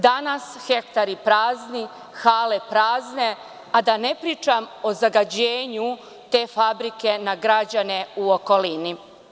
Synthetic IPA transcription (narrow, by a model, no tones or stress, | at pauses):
d̪anasxe̞kt̪aɾipɾaːzni | xaːlepɾaːzne | ad̪ane̞pɾiːt͡ʃamo̞zaɡad͡ʑeːɲu | t̪e̞ːfabɾike̞naɡɾad͡ʑane̞uoko̞lini